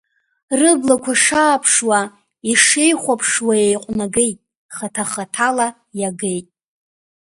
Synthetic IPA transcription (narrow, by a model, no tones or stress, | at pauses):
rɨblakʷʰaʂaːpʰʂwa | iʂejχʷapʰʂwajejqʷʼnaɡe̞jtʼ | χatʰaχatʰala | jaɡe̞jtʼ